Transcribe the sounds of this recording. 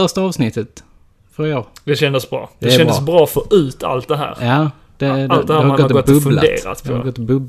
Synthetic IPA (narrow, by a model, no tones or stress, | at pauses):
œʂtaɑːvsnɪt̪ʰːət̪ | fœɾɪoːɾd̪ɛɕɛnd̪əsbɾɑ̰ːd̪ɛʃɛnd̪əsbɾɑːfoːʔʉ̟ːt̪ʰa̰lt̪̚d̪ɛɦæ̰ːɾjaː | d̪̥ɛd̪ld̪ɛhæːhaɾaɡɔt̪ːɡɔt̪bɵbfla̰dḛːɾa̰t̪pʰɔɡɔt̪ːbɵbl